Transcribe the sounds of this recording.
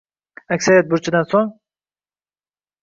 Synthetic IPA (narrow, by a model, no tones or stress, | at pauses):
akʲsaɾijat̪̚bʊɾt͡ʃʰad̪ansɒn